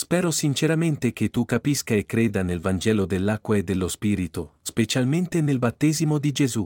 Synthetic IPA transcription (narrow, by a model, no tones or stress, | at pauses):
spɛːɾosint͡ʃeɾament̪ek̟et̪ːukːapiskaekːɾeːd̪anelvand͡ʒɛːlod̪elːakːwaed̪ːelːospiːɾit̪ospet͡ʃalment̪enelbat̪ːɛːzimod̪id͡ʒezu